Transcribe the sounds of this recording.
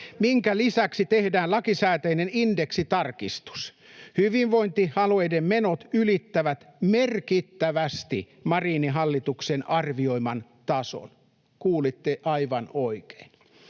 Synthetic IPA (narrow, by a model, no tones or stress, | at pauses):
miŋkælisæksit̪ehdæːlɑkisæːt̪æinenindeksit̪ɑrkist̪u̥s | hyʋiʋʋoint̪ihɑloejdemmenot̪ylit̪ːæʋæt̪merkit̪ːæʋæst̪ḭ | mɑriːniɦɑlːit̪uksenʔɑrʋioimɑn | t̪ɑso̰n | kuːlit̪ːeʔɑiʋɑnoike̥in